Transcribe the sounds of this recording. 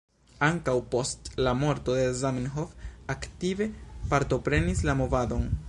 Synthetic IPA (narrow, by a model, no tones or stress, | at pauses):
aŋkawpo̞stlamo̞ɾto̞d̪e̞zaminɦofaktive̞paɾto̞pɾe̞nislamo̞vado̞n